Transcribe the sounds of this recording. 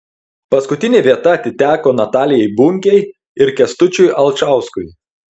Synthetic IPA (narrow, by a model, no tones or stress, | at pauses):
pɐskʊt̪ʲɪnʲeːʋʲiɛt̪ɐɐt̪ʲɪt̪ʲæːkoːnɐt̪ɑːlʲɪjɛɪbʊŋʲkʲɛɪ | ɪɾkʲɛst̪ʊt͡ʃʲʊjʔɐlˠt͡ʃɑˑʊskʊj